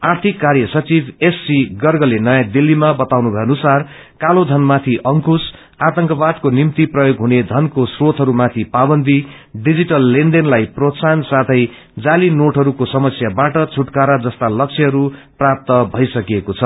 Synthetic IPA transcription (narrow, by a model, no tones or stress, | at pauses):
art̪ʰikːarjʌsʌt͡sibʱesːiɡʌrɡʌlenʌjãd̪ilːimabʌt̪awnubʱʌjʌnusar | kalod̪ʱʌnmat̪ʰiʔʌŋkus | at̪ʌŋkʌbad̪̚konimt̪iprʌjoɡɦuned̪ʱʌnkosrot̪ɦʌɾumat̪ʰipabʌnd̪ʱi | ɖid͡ziʈʌlːenɖenlajprot̪sansat̪ʰʌj | d͡zalinoʈɦʌɾukosʌmʌsjabaʈʌt͡sʰuʈkaɾad͡zʌst̪alʌkt͡sʰiɦʌɾuprap̚t̪ʌbʱʌjsʌkiekot͡sʰʌ